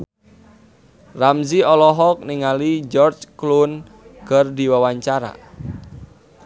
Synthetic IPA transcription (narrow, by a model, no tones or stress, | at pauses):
ramziɔlɔɦɔk̚niŋalid͡ʒɔrd͡ʒklun | ɡ̥ərdiwawaɲt͡ʃaɾa̰